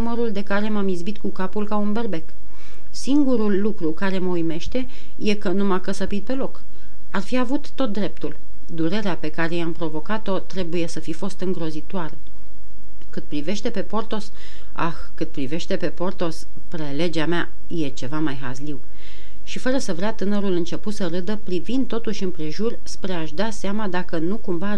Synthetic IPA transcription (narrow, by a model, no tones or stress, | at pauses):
numəɾuld̪e̞kaɾe̞mamizbit̪kukapulkaunberbe̞k | siŋɡuɾulːukɾukaɾe̞məujme̞ʃt̪e̞ | je̞kənumakəsəpit̪̚pe̞lo̞k | arfiavut̪ːo̞t̪̚d̪ɾe̞p̚t̪ul | d̪uɾe̞ɾeape̞kaɾe̞jampɾo̞vo̞kat̪o̞t̪ɾe̞buje̞səfifo̞st̪ɨŋɡɾo̞zit̪oaɾə | kɨt̪̚pɾive̞ʃt̪e̞pe̞po̞rt̪o̞s | a̰xkɨt̪̚pɾive̞ʃt̪e̞pe̞po̞rt̪o̞s | pɾe̞le̞d͡ʒeamea | je̞t͡ʃe̞vamajɦazliw | ʃifəɾəsəvɾeat̪ɨnəɾulɨnt͡ʃe̞put̪səɾɨd̪əpɾivind̪̚t̪o̞t̪uʃʲɨmpɾe̞ʒurspɾe̞aʃd̪aseamad̪akənukumva